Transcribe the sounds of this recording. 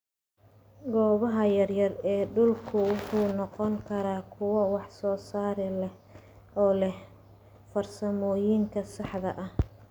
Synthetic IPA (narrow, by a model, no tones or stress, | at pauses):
ɡɔːβɐɦɐjɐrjɐrɛːɖʊlkʰʊwʊħuːnɔqɔŋkʰɐɾaːkʰʊwɐwɑħsɔːsaːɾɪlɛh | ɔːlɛh | fɐrsɐmɔːjiŋkʰɐsɑħðɐ̰ʔɐh